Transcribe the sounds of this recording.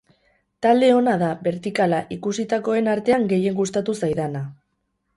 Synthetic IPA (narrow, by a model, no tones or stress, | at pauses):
t̪ald̪e̞o̞naðaβe̞ɾt̪ikalaʔikusit̪ako̞e̞naɾt̪e̞aŋɡe̞je̞ŋɡust̪at̪usajðana